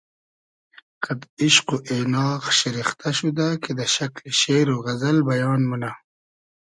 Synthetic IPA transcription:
kad̪ɪʃquʔenɑːqʃɪɾixt̪aʃud̪aked̪əʃaklʃeːɾoɣazalbajɑːnmuna

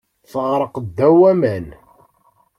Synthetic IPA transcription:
θəʁɾˤəqd̪ːæwæmæn

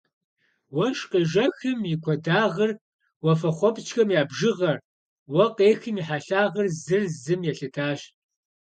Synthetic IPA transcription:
wɐʃqɐʒɐxɨmjikʷʰɔdaːʁɐr | wɔfɐχʷɔpt͡ʃʰʼxɐmjaːbʒɨʁɐr | wɐqeːxɨmiħaɬaːʁɐrzɨrzɨmjɛɬɨtʰaːɕ

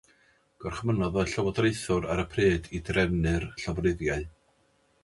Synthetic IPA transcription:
ɡ̥ɔrχmənɔðɔɬɔwɔdrejθʊɾaɾəpʰreːdidrɛnɨrɬɔvrɨðjaɨ

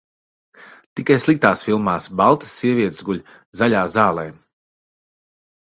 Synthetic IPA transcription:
t̪ikajslˠikt̪aːsfilˠmaːsbalˠt̪ə̥sːiɛviɛt̪zɡuʎʲ | zaʎʲaːzaːlˠɛː

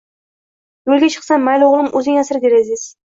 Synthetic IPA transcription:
jolˠɡʲat͡ʃʰɨ̥qsanːajloʁlˠɪmʔɵzɪŋasɾɪd̪eɾasɪz̥

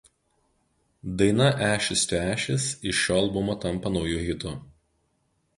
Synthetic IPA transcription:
d̪ɐɪnɐʔæːʃʲɪsʲt̪ʲːæːʃʲɪsɪʃʃʲoːɐlˠbʊmot̪ɐmˑpɐnɒʊjʊɣʲɪt̪ʊ

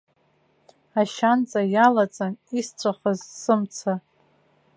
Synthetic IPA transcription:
aʃant͡sʼajalat͡sʼanist͡ɕʷʰʼaχazsɨmt͡sʰa

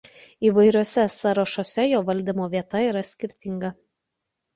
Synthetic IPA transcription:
iːʋɐɪɾʲoɔsʲɛsɐɾɐʃoːsʲɛjoːʋɐlʲd̪ʲimoːʋʲiɛt̪ɐiːɾɐsʲkʲɪɾʲt̪ʲɪŋɡɐ

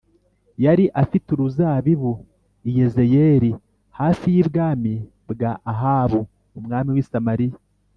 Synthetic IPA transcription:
jaɾiʔafituɾuzaːβiβu | ijezejeːɾi | haːfijibɡaːmi | bɡaʔːɦaːβuː | mŋaːmiwisamaɾija

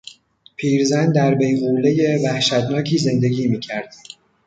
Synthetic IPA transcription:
pʰiːɾzænd̪æɾbejɣuːlejevæhʃæt̪nɒːcʰiːze̞nd̪e̞ɟʲiːmiːcʰæɾd̪̥

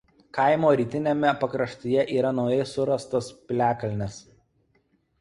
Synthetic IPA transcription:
kɐɪmoːɾʲiːt̪ʲɪnʲemʲɛpɐkɾɐʃt̪ʲuːjɛʔiːɾɐnɒʊjɛɪsʊɾɐst̪ospʲlʲæːkɐlʲnʲɪs

